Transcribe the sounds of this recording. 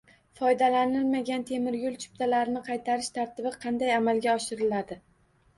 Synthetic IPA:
fɒjd̪alanɪlmaɡʲant̪ʰe̞mɪɾjʊlˠt͡ʃʰʊ̥p̚t̪ʰalaɾnɪqʰɑjt̪ʰaɾɪʃt̪ʰaɾt̪ʰɪbɪqʰɑnd̪ajamalɡʲaɒʃɪɾɪlad̪ɪ

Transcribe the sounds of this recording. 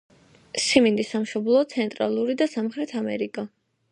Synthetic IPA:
simind̪isamʃɔblˠɔt̪sʰɛnt̪ʼɾa̰lˠuɾid̪asamχɾɛt̪ʰamɛ̰ɾikʼa

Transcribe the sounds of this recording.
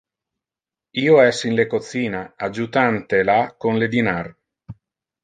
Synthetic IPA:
iːoɛsːinlekot̪siːnaad͡ʒut̪ant̪elakːonled̪inar

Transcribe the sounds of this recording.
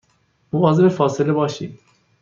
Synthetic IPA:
oɒːzebefɒːselebɒːʃḭːd̪̥

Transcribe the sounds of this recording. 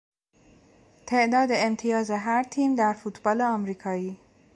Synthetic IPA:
t̪ʰe̞ʔd̪ɒːd̪eemt̪ʰijɒːzeɦæɾt̪ʰiːmd̪æɾfuːt̪ʰbɒːleɒmɾiːkʰɒːiː

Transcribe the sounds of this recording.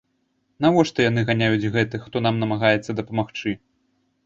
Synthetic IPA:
navɔʂt̪ɔjanɨɣanʲajud͡zʲɣɛt̪ɨxt̪ɔnamnɐmaɣajɛt̪sːɐd̪ɐpɐmaxt͡ʂɨ

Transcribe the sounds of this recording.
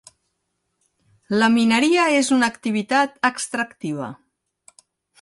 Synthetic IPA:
ləminəɾiəezunəkt̪iβ̞it̪at̪əkst̪ɾəkt̪iβ̞ə̰

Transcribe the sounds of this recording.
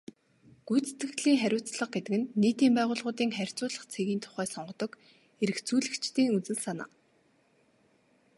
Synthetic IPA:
ɡ̥ujt͡se̥t̪ɡɘ̆ɣɮiːŋχæɾʲʊːt͡sɮə̆χ̚ɡet̪ɘ̆kɘ̆nːiːt̪iːmpæːʁʊːɮʁʊːt̪iːŋχær̥ʲt͡sʊːɮə̆χt͡sʰeɣiːnt̪ʰʊ̥χæːsɔɴɢɞ̆t̪ɞ̆k | eɾɘ̆xt͡suːɮɘ̆kt͡ɕt̪iːŋut͡sɘ̆ɮsana̰ː

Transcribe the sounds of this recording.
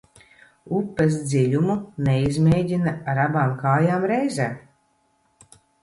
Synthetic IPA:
upːɛs̬d̪zʲiʎʲumunɛizmʲejɟʲinaaɾabaːmkaːjaːmɾɛjzɛː

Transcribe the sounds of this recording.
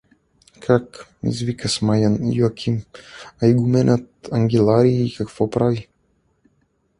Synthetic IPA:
kʰakmḭzvikʰasmajanjuakʰimajɡumenʔat̪aŋɡilaɾikakfopɾai

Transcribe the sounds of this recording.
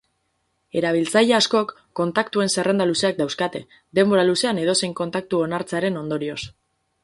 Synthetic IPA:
e̞ɾaβ̞ilt͡sajʎeasko̞kːo̞nt̪akt̪ue̞nse̞re̞nd̪aluse̞ak̚d̪awskat̪e̞ | d̪e̞mbo̞ɾaluse̞ane̞ðo̞se̞jŋko̞nt̪ak̚t̪uonaɾt͡seaɾe̞no̞nd̪o̞ɾio̞s

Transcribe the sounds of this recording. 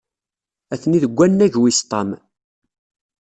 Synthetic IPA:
æθniðəɡʷːænːæʝwist̪ˤːɑm

